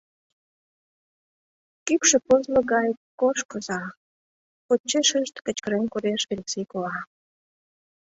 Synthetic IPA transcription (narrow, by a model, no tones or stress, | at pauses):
kypʃĕpozlə̆ɣɑjkoʃkəzɑ | ot͡ɕːeʃə̆nʃt̪kə̆t͡ɕkəɾemkuɾeʃβelʲeksejkolɑ